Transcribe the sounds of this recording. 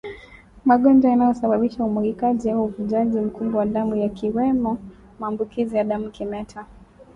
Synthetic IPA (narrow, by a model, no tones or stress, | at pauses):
maɠɔnd͡ʒaanajɔsaɓaɓiʃaumuɾikaʄiauuvuʄaʄim̩kumbɔwaɗamujakiwɛmɔ | maːmbukizijaɗamukimɛtʰa